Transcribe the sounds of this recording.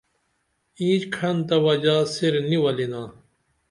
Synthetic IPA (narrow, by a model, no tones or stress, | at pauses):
ĩːd͡ʑkʰɐnt̪ɐwɐd͡ʑaːsiɾniwɐlinaː